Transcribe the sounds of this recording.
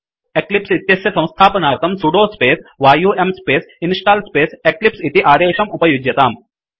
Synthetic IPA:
eklipsit̪jɐsjɐsɐ̃w̃st̪ʰaːpɐnaːt̪ɐmsuɖoːspeːsʋaːjuːʔemspeːsinʂʈaːlspeːseklipsit̪iʔaːd̪eːʃɐmupɐjud͡ʒjɐt̪aːm

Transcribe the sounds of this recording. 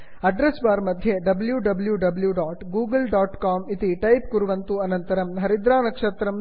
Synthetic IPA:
ɐɖɾesbaːɾmɐd̪ʱjeɖɐbljuɖɐbljuɖɐbljuɖaːʈɡuːɡɐlɖaːʈkaːmit̪iʈɐjpkuɾuʋɐnt̪uɐnɐnt̪ɐɾɐmɦɐɾid̪ɾaːnɐkʂɐt̪ɾɐm

